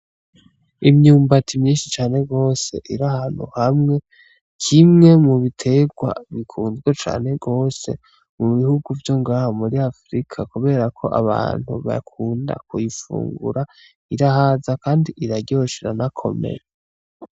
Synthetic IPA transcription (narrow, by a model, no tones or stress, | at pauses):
imɲuːmbatʰimɲiːnʃit͡ʃaːne̞ɡo̞se̞̰ʔiɾahaːn̥ṵhamŋe̞ | kʰimŋe̞muβitʰe̞ɡwa̰βikʰuːnzɡwet͡ʃa̰ːne̞ɡo̞ːse̞̰ | muβihuɡuvjo̞ŋɡaːhomuɾiafɾikʰakuβe̞ɾakʰo̞ʔa̰βa̰ːn̥hṵβa̰kʰuːnda̰kujifṵːŋɡṵɾa | iɾaɦazakaːndiʔiɾaɟoʃiɾanakʰo̞̰me̞̰ɾe